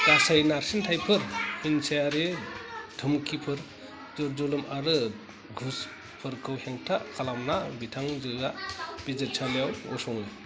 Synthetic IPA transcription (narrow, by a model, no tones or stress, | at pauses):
ɡasajnaɾsintʰajpʰɯɾhinsajaɾed̥ʱɯmkʰipʰɯɾ | zɔɾd͡ʒɔlɯmaɾɯ | ɡʱus | pʰɯɾkʰɯwheŋtʰakʰalamnabitʰaŋzɯɡab̥izɯt̚t͡ʃʰalejawɔsɔŋɯj